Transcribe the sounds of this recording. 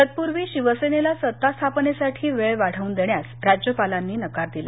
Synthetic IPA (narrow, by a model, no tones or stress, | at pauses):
ət̪̚puɾʋiːɕiʋəsenelasət̪ːast̪ʰapnesaʈʰiːʋeɭʋaɽ̤əuːnd̪eɳjasɾad͡ʑjəpalanːiːnəkaɾd̪ila̰